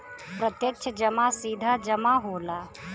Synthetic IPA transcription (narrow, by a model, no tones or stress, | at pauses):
pɾət̪jək̚t͡ʃʰəd͡ʒəmasiːd̪ʱad͡ʒəmaɦoːla